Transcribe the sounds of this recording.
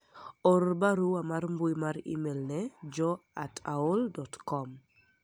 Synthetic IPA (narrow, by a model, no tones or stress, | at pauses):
ɔɾbaɾuamarmbuimaɾḭmelnɛd͡ʒɔa̰taoldɔtkɔm